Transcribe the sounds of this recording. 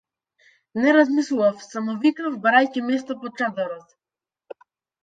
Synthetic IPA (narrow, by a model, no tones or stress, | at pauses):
nɛɾazmislˠuvafsamɔviknafbaɾajcimɛs̬t̪apɔt͡ʃad̪ɔɾɔt̪